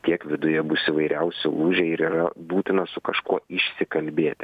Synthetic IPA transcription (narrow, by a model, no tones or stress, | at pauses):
t̪ʲiɛkʋʲɪd̪ʊjɛbʊsiʋɐɪɾʲʔɛʊsʲɪʔuːʒʲɛɪɾiːɾɐbuːt̪ʲɪnɐsʊkɐʃkuɔɪʃʲsʲɪkɐlʲbʲeːt̪ʲɪ